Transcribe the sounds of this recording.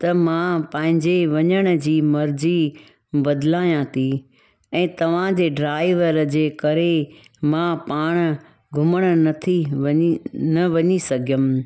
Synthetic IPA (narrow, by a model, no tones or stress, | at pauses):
t̪ɐmãpɐ̃ɦɪ̃ɲd͡ʑeʋɐɲəɽ̃ə̆d͡ʑiːmɐɾd͡ʑi | bɐd̪laːjãt̪ʰi | ɛ̃ːt̪ɐʋ̤ãd͡ʑeːɖɾaːɪʋəɾd͡ʑeːkɐɾe | mãpaːɽ̃ə | ɡʱʊməɽ̃ə̆nɐt̪ʰi | nɐʋɐɲisɐɡʱjəmɪ̆